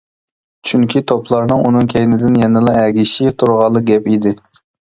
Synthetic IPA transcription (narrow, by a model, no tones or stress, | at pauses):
t͡ʃʰyŋkʲʰit̪ʰopʰlˠɑɾnɨŋʔunɨŋkʲʰɛjnɪd̪ɪnjɛnɨlˠɑɛɡʲiʃit̪ʰuɾʁɑlˠəq̚ɡʲɛpid̪ɪ